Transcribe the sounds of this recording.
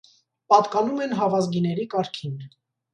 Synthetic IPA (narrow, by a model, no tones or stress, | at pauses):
pɑt̪kɑnumɛnɦɑvɑzɡinɛɾikɑɾkʰin